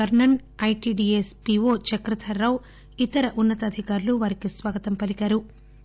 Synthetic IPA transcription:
kɐɾɳɐɳɐjʈiːɖiːespiʋoːt͡ʃɐkɾɐt̪ʰɐɾːɐw | it̪ɐɾɐʔunːɐt̪ɐd̪ʱikaːɾuluʋaːɾikisʋaːɡɐt̪ɐmpɐlikaːɾu

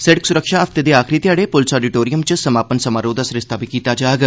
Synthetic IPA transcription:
sɛɽəksʊɾəkʃaəft̪eːd̪eːaːkʰɾiːt̪ɪjaːɽepʊlɪsɔːɖɪʈoːɾijəmt͡ʃəsəmaːpənsəmaːɾoːd̪aːsɾɪst̪aːbʱiːkiːt̪aːd͡ʒaːɡ

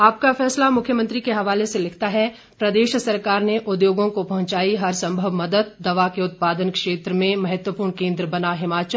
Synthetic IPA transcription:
aːp̚kafɛːslamʊkʰjəmə̃nt̪ɾikeɦɐʋaːleselɪkʰt̪aɦɛ | pɾɐd̪eːʃsɐɾkaːɾneʔʊd̪joːɡõkopɐɦʊ̃t͡ʃaːiɦɐɾsɐ̃mbʱəʋmɐd̪əd̪̚ːɐʋakeʊt̪̚paːd̪ənkʃeːt̪ɾəmẽmɐɦət̪wəpuːɾɳkẽːnd̪ɾəbɐnaɦɪmaːt͡ʃəl

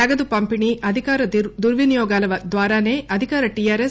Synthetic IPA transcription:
ɐɡɐd̪upɐmpiɳiʔɐd̪ʱikaːɾɐd̪uɾʋinijɔːɡaːlɐʋɐd̪ʋaːɾaːneːʔɐd̪ʱikaːɾɐʈijaːɾes

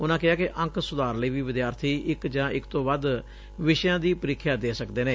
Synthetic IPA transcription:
ʊnãːkɪaːkɪʔə̃ŋksʊd̪aːɾləiːʋiːʋɪd̪jaːɾt̪ʰiːʔɪkd͡ʒãːɪkt̪õːbəd̪ | ʋɪʃjãːd̪iːpəɾɪkʰːjaːd̪eːsəkd̪eːneː

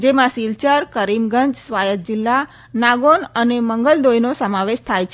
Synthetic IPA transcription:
d͡ʒemãsilt͡ʃəɾkəɾimɡəɲd͡ʒsʋajət̪̚d͡ʒɪlːa | naɡonəneməŋɡəld̪ojnosəmãʋeʃt̪ʰajt͡ʃʰe

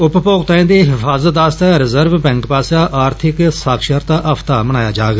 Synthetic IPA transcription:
ʊppoːkt̪aːẽːd̪eːɦɪfʰaːzət̪̚d̪aːst̪aːɾɪzəɾʋbɛ̃ŋkpaːsaːʔaːɾt̪ʰɪksaːkʰʃəɾt̪aʔəpʰt̪aːməñaːjaːd͡ʒaːɡ

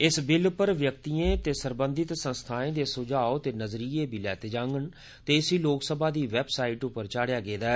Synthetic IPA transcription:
ɪsbɪlpəɾʋjək̚t̪iːẽːt̪eːsəɾbənd̪ɪt̪sənst̪ʰaːẽːd̪eːsʊd͡ʒaːot̪eːnəzɾiːeːbʱiːlɛːt̪eːd͡ʒãːŋɡəɳ | t̪eːɪsiːloːksəbaːd̪iːʋɛbsaːiːʈʊpəɾt͡ʃaːɽjaːɡeːd̪aːɛ

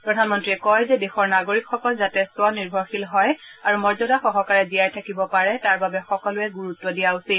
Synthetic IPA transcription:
pɹɔdʱanmɔntɹiɛkɔjzɛdexɔɹnaɡoɹikxɔkɔlzatɛswɔniɹbʱɔɹxilɦɔjaɹumɔɹzɔdaxɔɦɔkaɹɛzijajtʰakibɔpaɹɛtaɹbabɛxɔkɔlʊɛɡuɹutːɔdijausi

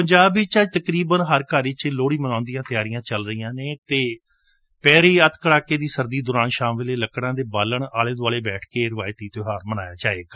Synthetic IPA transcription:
pəɲd͡ʒaːbit͡ʃaːd͡ʒt̪əkɾiːbənɦəɾkaːɾiːt͡ʃloːɽiːmənãːnd̪ijãːt̪ɪjaːɾijãːt͡ʃəlɾəijãːneːt̪eː | pɛːɾiːət̪kəɽaːkeːd̪iːsəɾd̪iːd̪ʊɾaːnʃaːmʋeleːləkɽãːd̪eːbaːləɳaːleːd̪aːleːbɛːʈʰkeːɾɪʋaːjt̪iːt̪oːɦaːɾmənaːjaːt͡ʃaːeːɡaː

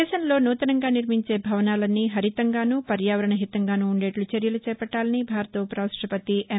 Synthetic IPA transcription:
ɛːʃɐnlo̞ːnuːt̪ɐnɐŋɡaːniɾmiɲt͡ʃe̞ːbʱɐʋɐnaːlɐnːiɦɐɾit̪ɐŋɡaːnuːpɐɾjaːʋɐɾɐɳɐɦit̪ɐŋɡaːnuːɳɖe̞ːʈlut͡ʃeɾjɐlut͡ʃɛːpɐʈːaːlɐnibʱaːɾt̪ɐːpɾaːsʈɾɐpɐt̪ie

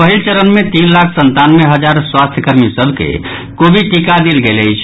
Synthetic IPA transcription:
pəɦilt͡ʃəɾənmet̪inlakʰsənt̪anmeɦəd͡ʒaɾswast̪ʰjəkəɾmisəbʱkḛ | kobʱiʈikad̪ilɡeləjt͡ʃʰ

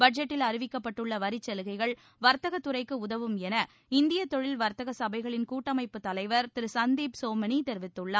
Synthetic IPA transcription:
bɐʈ̚d͡ʒɛʈːɪlɐɾɪʋɪkːɐpːɐʈːɯɭːɐʋɐɾɪt͡ʃːɛlɯɣɐɪɣɐɭ | ʋɐɾt̪ɐɣɐt̪ːɯrɐɪkːɯʊðɐʋɯmɛnɐ | ɪnd̪ɪjɐt̪ːɔɻɪlʋɐɾt̪ɐɣɐsɐbɐɪɣɐɭɪnkuːʈːɐmɐɪpːɯt̪ːɐlɐɪʋɐɾt̪ɪɾɯsɐnd̪iːpsoːmɐnit̪ɛɾʋɪt̪ːɯɭːa

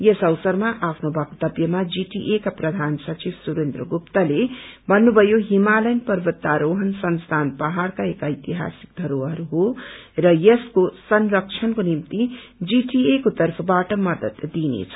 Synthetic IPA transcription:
jesʌwsʌrmaʔapʰnobʱʌkt̪ʌbjʌmad͡ziʈiʔekaprʌd̪ʱansʌt͡sibsuɾend̪ɾʌɡupt̪alebʱʌnːubʱʌjoɦimalʌjnpʌrbʌt̪ːaɾoɦʌnsʌnst̪ʰanpʌɦarkaekajt̪iɦa̰sik̚d̪ʱʌɾoɦʌɾuɦorʌjeskosʌnrʌk̚t͡ʃʰʌnkonimt̪id͡ziʈiekot̪ʌrpʰʌbaʈʌmʌd̪ʌt̪d̪inḛt͡sʰʌ̥

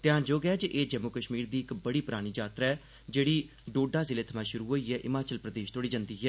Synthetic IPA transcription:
t̪ɪãːd͡ʒoːɡɪaːd͡ʒeʔeːd͡ʒəmʊkəʃmiːɾd̪iːɪkbəɽiːpɾaːɽ̃iːd͡ʒaːt̪ɾaːɛː | d͡ʒeːɽiː | ɖoːɖaːzɪleːt̪ʰəmãːʃʊɾuːɦoːiːɦɛːʔɪmaːt͡ʃəlpɾəd̪eːʃt̪oɽiːd͡ʒãːnd̪iːɦɛː

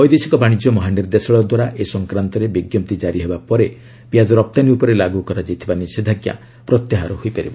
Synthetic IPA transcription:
ɔjd̪esikɔbaɽ̃id͡ʒjɔmɔɦaniɾd̪esɔɭɔd̪waɾaʔesɔŋkɾant̪ɔɾebiɡjɔp̚t̪id͡ʒaɾiɦebapɔɾe | pijad͡ʒɔɾɔp̚t̪aniupɔɾelaɡukɔɾad͡ʒajt̪ʰibanised̪ʱaɡja̰ | pɾɔt̪jaɦaɾɔhojpaɾibɔ

